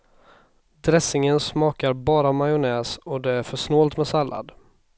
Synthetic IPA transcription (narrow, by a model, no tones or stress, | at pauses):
d̪ɾɛsɪŋənsmɑːkaɾbɑːɾamajʊnɛːsɔd̪ɛæɾfœʂnoːlt̪mɛsalːʔa̰d̪